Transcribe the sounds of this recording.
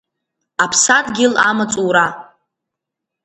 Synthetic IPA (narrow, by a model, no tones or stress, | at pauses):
apʰsatʼɡʲɪla̰mat͡sʼuɾa